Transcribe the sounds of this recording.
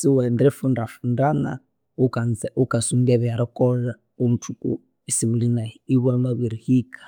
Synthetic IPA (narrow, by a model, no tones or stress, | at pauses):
siwɛndɾɛfundafundana̰ | ukand͡zɛʔukasundaβɛaɾɔkʼɔla | um̩tʰukṵ | isiβulinaiβamaβiɾihiːkḁ